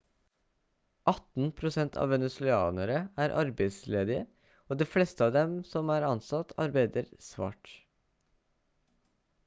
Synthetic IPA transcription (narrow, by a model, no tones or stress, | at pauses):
ʔɑt̪n̩pʰɾʊsɛnt̪ʰɑ̰ːʋɛnəsʉɑ̰ːnəɾəæːɾʔɑɾbæɪsleːd̪ɪə | oːd̪iːfleːst̪əɑːʋd̪ɛmsɔmæːɾɑnsɑt̪ʰɑ̰ɾbæɪd̪əɾsʋɑ̰ːʈ